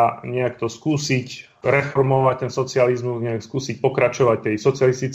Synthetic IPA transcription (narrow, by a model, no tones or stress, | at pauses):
ɲɛakt̪ɔskuːsic | ɾɛfɔɾmɔʋac̚t̪ɛnsɔt͡sɪalizmuzɲɛakskuːsic̚pɔkɾat͡ʃɔʋac̚t̪ɛjsɔt͡sɪalist̪it͡s